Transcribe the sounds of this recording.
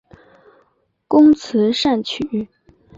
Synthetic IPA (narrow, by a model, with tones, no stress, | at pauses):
kʊ˥ŋt͡s̩ʰ˧˥ʂa˥˩nt͡ɕʰy˨˩˦